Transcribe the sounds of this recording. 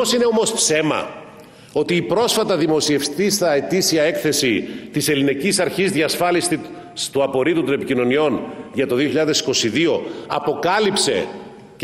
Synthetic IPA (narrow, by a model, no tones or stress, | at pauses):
osine̞o̞mospse̞mɐ̰ | o̞t̪iːpɾo̞sfɐt̪ɐðimo̞sie̞ft̪ist̪ɐe̞t̪isiɐe̞kθe̞sit̪ise̞linecisɐɾçizðʝɐsfɐlist̪i | st̪uɐpo̞ɾit̪ut̪o̞ne̞picino̞nio̞nʝɐt̪o̞ðioçiʎɐðesi̥ko̞siðio̞ɐpo̞kɐlipse̞̰